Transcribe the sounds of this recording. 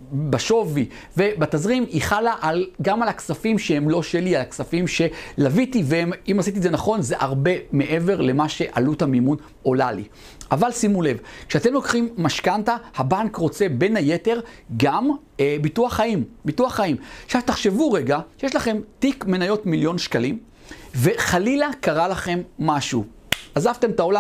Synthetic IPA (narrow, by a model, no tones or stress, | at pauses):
baʃo̞vi | ve̞batazʁimiχalaʔalɡamalaksafimʃehemlo̞ʃelialaksafimʃe̞lavitiveemimasit̬izenaχo̞nze̞ʔaʁbe̞me̞ʔe̞ve̞ʁle̞maʃe̞ʔalutamimun | o̞lalḭ | ʔavalsimule̞vkʃeat̪e̞mlo̞kχimːaʃkantahabankʁo̞t͡se̞be̞nhaje̞te̞ʁɡam | bituaχaimbituaχaimʃavtaχʃe̞vuʁe̞ɡaʃjeʃ̬laχe̞mtikme̞najo̞tmiljo̞nʃkalim | ve̞χalilakaʁalaχe̞mːaʃu | ʔazavte̞mtao̞la